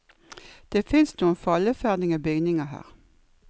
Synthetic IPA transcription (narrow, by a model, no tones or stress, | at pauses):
d̪̥eːfɪnsnuːənfɑləfæʁd̪ɪŋəbʏɡnɪŋɑɦæ̰ːʁ